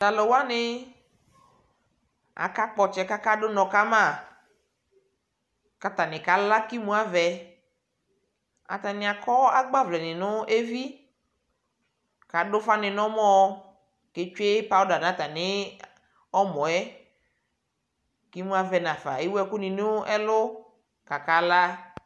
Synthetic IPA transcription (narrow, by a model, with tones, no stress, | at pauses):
da˨lɔ˨wa˦nɪ˦ | a̰˨ka˦k͡pɔ˨t͡ʃɛ˦ka˦ka˦dʊ˦nɔ̃˨ka˦mã˦˨ | ka˨ta˨nɪ̃˨ka˨la˦ki˦mũ˦a˦vɛ˨ | a̰˨t̪a˨nɪ̃˨a˨kɔ˦a˦ɡ͡ba˦vlɛ˨nɪ˨nʊ˦ʔe˦vi˦ | ka˨dʊ˦fa˦nɪ̃˨nɔ̃˦mɔ̃˦ | ke˨˦t͡ʃe˦pa˦ʊ˦da˨n˨ã˨˦ta˨nɪ˦ | ɔ˦mɔ̃˨ɛ˦ | ki˦mũ˦a˦vɛ˨nã˨fa̰˨ɪ˦wɛ˦kʊ˦nɪ̃˨nʊ˦ʔɛ˦lʊ˦ | ka˨ka˦la˦